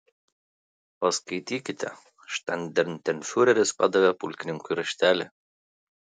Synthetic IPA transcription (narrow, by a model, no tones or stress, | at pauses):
oskɐɪt̪ʲiːkʲɪt̪ʰʲɛ̰ | ʃt̪ʲanʲd̪ʲɛɾʲnʲt̪ʲɛnʲfʲuɾʲɛɾʲɪspɑ̰d̪ɐʋʲɛpʊlʲkʲɪnʲɪŋkʊjɾɐʃʲt̪ʲæːlʲɪ